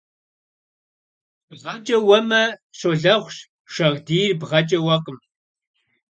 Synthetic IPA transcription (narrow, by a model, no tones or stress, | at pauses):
bʁɐt͡ʃʼɐwɐmɐɕoɮɐχʷʃ | ʂɐʁdiːrbʁɐt͡ʃʼɐwɐqʼəm